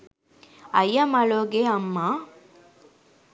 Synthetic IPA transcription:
ɐjɐmɐɭoːɡeɐmːa

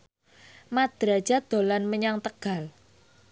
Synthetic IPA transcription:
mad̪̥ɾḁd͡ʒ̥a̤d̪̥o̤lanməɲaŋt̪əɡ̥a̤l

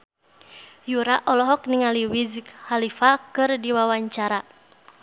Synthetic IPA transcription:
juɾaʔɔlɔɦɔk̚niŋaliwizkhalifakɨrdiwawaɲt͡ʃaɾa

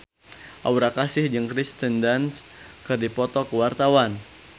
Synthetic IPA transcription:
ʔa̰wɾakasɪhd͡ʒɨŋkɾist̪əndans | kɨrdipɔt̪ɔkəwart̪awan

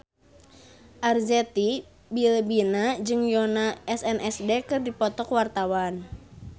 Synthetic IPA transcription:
ʔarzɛt̪i | bilbinad͡ʒɨŋjonaɛsɛnʔɛsdekɨrdipɔt̪ɔkwart̪awan

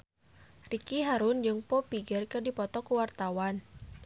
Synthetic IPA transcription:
rikiɦaɾʊnd͡ʒɨŋpɔpiɡərkɨrdipɔt̪ɔkuwart̪awan

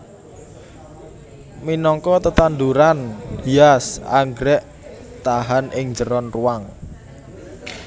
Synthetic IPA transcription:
minɔŋkɔt̪ət̪and̪uɾandiasa̰ŋɡɾɛʔ | t̪aɦanɪŋd͡ʒəɾɔnruwaŋ

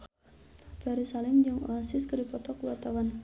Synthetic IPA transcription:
fɛɾisalɪmd͡ʒɨŋo̰asɪskədipɔt̪ɔkuwat̪awan

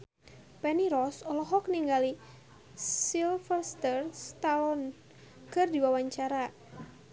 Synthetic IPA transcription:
pɛniɾɔsɔlɔɦɔk̚niŋɡali | silfərst̪ərst̪alɔn | kɨrdiwawaɲt͡ʃaɾa

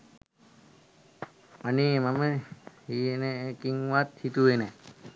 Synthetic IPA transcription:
aneːmaməhieneekiŋʋat̪hit̪uenɛ

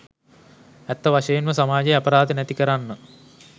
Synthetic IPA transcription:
æt̪ːɐʋaʃɐjenməsamaːd͡ʒɐjɐpɐɾaːd̪ənɛt̪ikəɾanːə

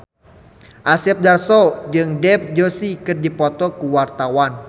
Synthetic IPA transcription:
ʔasɛp̚darsɔd͡ʒɨŋdɛp̚d͡ʒosikɨrdipɔt̪ɔkuwart̪awan

